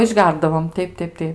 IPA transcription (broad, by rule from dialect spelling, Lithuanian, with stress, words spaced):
ɪʒʲˈɡʲɛrdɐʋoːm ˈtʲɛɪp ˈtʲɛɪp ˈtʲɛɪp